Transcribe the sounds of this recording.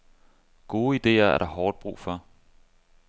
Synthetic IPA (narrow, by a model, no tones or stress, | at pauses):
ɡ̥o̝ːid̥e̝̰ːɐæɐɾ̥ɑ̈hɒːd̥̚b̥ʁṵːfɒ̽